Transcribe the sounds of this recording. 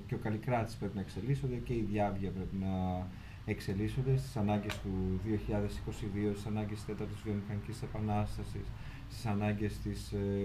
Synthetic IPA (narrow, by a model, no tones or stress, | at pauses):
ceo̞kɐlikɾɐt̪i̥spɾe̞pinɐekse̞liso̞nd̪e̞ce̞iðʝɐvʝɐpɾe̞pinɐ | ekse̞liso̞nd̪e̞st̪i̥sɐnɐɲɟe̞st̪uðio̞çiʎɐðe̞si̥ko̞siðiost̪i̥sɐnɐɲɟesst̪e̞t̪ɐɾt̪ozvionixɐnicisisepɐnɐst̪ɐsḭs | st̪i̥sɐnɐɲɟe̞st̪is